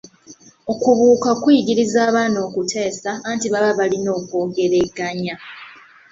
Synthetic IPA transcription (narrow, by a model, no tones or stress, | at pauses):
o̞kuβuːkakwijiɟiɾizaːβaːno̞ːkutʰe̞ːsaantiβaβaβalino̞ːkwo̞ːɡe̞ɾe̞ɡaɲa